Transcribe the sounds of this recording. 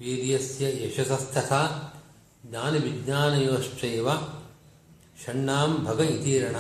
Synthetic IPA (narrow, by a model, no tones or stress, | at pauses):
ʋiːɾjɐsjɐeʃɐsɐst̪ʰɐt̪ʰaː | d̪aːnɐʋidɲaːnɐjoːʃt͡ʃɐjʋa | ʃɐɳːaːmbʱɐɡɐit̪iːɾɐɳa